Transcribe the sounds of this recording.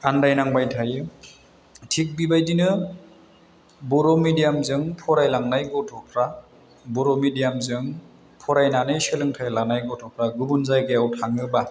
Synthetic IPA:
andajnaŋbajtʰajɯ | tʰik̚bibajdinɯ | bɔɾɔmidijamzɯŋpʰɔɾajlaŋnajɡɔtʰɔpʰɾa | bɔɾɔmidijamzɯŋ | pʰɔɾajnanɯjsɯlɯŋtʰajlanajɡɔtʰɔpʰɾaɡubunzajɡejawtʰaŋɯba

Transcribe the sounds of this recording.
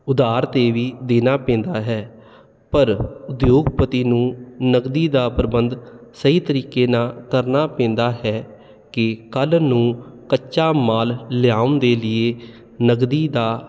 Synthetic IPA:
ʊd̪aːɾt̪eːʋiːd̪eːnaːpɛ̃ːnd̪aːɦɛː | pəɾʊd̪joːɡpət̪iːnũːnəɡd̪iːd̪aːpɾəbənd̪səɦiːt̪əɾiːkeːnaːkəɾnaːpɛ̃ːnd̪aːɦɛː | kɪkəlnũːkət͡ʃʃaːmaːlːɪjaːʊnd̪eːlɪeː | nəɡd̪iːd̪aː

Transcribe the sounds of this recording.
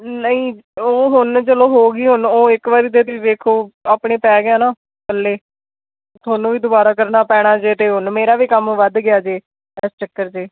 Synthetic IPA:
nəĩːoːɦʊnt͡ʃəloːɦoːɡiːɦʊnoːɪkʋaːɾiːt̪eːt̪ed̪eːkʰoːaːpɳeːpɛːɡɪjaːnaː | kəlːeː | t̪ʰoːnõːʋiːd̪ʊbaːɾaːkəɾnaːpɛːɽ̃aːd͡ʒeːt̪eːɦʊnmeːɾaːʋiːkəmʋəd̪ɡɪaːd͡ʒeː | ɛːst͡ʃəkːəɾt͡ʃeː

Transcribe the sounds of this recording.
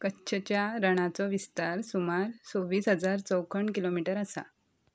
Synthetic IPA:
kətːɕʰət͡ɕjaɾəɽ̃at͡sɔʋist̪aɾsumaɾsoʋiːsɦəd͡zaɾt͡səwkʰəɳkilomiʈəɾəsa̰

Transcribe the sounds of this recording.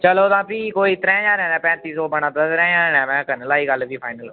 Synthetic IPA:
t͡ʃəloːt̪ãːpiːkoːit̪ɾɛ̃ːd͡ʒãːɾɛ̃ːnɛ̃ːpɛ̃ːt̪iːsɔːbənãːt̪at̪ɾɛ̃ːd͡ʒaːɾːɛ̃ːmɛ̃ːkənəlaːiːɡəlʋiːpʰaːɪnəl

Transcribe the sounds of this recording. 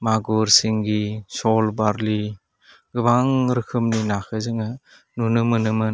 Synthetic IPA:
maɡɔɾsiŋɡisɔlbaɾli | ɡɯbaŋɾɯkʰɯmninakʰɯzɯŋɯ | nunɯmɯnɯmɯn

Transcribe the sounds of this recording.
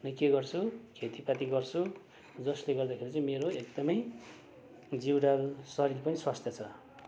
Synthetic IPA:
nʌjkeɡʌrt͡sʰukʰet̪ipat̪iɡʌrt͡sʰu | d͡zʌsleɡʌrd̪akʰeɾit͡sãĩmeɾoek̚d̪ʌmʌj | d͡ziwɾalsʌɾilpʌniswast̪ʰjʌt͡sʰʌ

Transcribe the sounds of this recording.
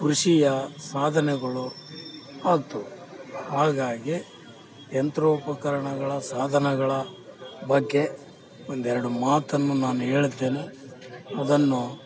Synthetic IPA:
kuɾuʂijɐsaːd̪ʱɐnɛɡɐɭu | aːt̪uhaːɡaːɡi | ent̪ɾoːupɐkɐɾɐɳɐɡɐɭɐsaːd̪ʱɐnɛɡɐɭɐbɐɡːe̞ | ond̪ɛɾɐɽumaːt̪ɐnːunaːnuɦe̞ːɭud̪ːe̞ːne | ɐd̪ɐnːu

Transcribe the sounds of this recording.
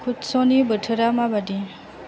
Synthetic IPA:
kʰudsɔnibətʰəɾamabadi

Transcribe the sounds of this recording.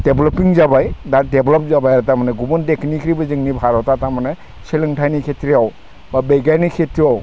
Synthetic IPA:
d̥eblɔpiŋzabajdadɛbʱlɔp̚zabajatamanɛɡubɔntekʰnikʰiɾibɯzɯŋnibʱaɾɔtatamanɛ | seliŋtʰajnikʰetɹiaw | babejɡajnikʰetɹiaw

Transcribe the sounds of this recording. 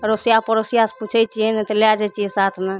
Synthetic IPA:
ɾosijapəɾosijase̥put͡ʃʰɛjt͡ʃʰiɛnɛt̪ɔlad͡ʒat͡ʃʰiɛsat̪ʰme

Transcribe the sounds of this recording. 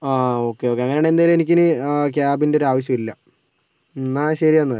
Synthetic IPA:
aːo̞ːkːe̞o̞ːkːeɐŋːɐneːɳend̪ajilme̞nikʲːenɨk̬jaːbindeo̞ɾaːʋɐɕ̬jɐmilːɐ | naːɕɐɾianːaː

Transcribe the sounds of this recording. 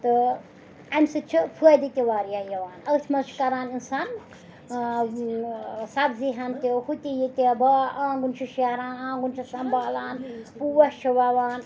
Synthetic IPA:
t̪ɨ | ɐmʲsɨt͡ʃʰifʰuɐjd̪it̪ʲeʋaːɾjajɐʋaːnɐt̪ʰmɐzt͡ʃʰkɐɾaːninsaːn | sɐbziɦant̪ehut̪ʲijit̪ʲebɐãːɡunt͡ʃʰiʃeɾãːnãːɡunt͡ʃʰɐsɐmbaːlaːnpuwɐst͡ʃʰɐʋaʋaːn

